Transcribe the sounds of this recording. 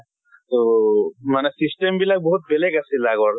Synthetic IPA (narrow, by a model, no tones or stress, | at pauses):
tomanɛsistɛmbilak̚bɔɦut̚bɛlɛɡasilaɡɔɹ